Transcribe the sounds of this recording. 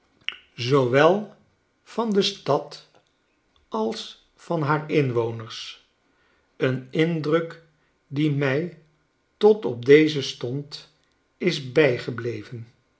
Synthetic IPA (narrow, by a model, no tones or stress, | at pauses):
zowʋɛlˠ | fɑndəstɑt | ɑlˠs | fɑnɦaːɹɪnʋownəɹs | ənɪndrək | dimɛj | tɔtɔb̚dejzəstɔnt | ɪzbɛjχəblejvən